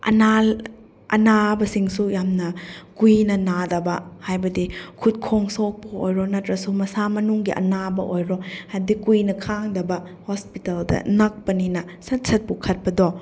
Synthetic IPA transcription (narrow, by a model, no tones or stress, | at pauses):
ɐ̰nal | ʔɐ̰nabɐsiŋsujamnɐkujnɐnadɐbɐhajbɐdikʰut̚kʰoŋsɔk̚pɐo̰jɾɔnɐtɾɐsumɐsamɐnuŋɡiʔɐ̰nabɐʔojɾɔhabdikujnɐkʰaŋdɐbɐ | hospitɐldɐ̰nɐk̚pɐninɐsɐt̚sʰɐt̚pukʰɐt̚pɐdɔ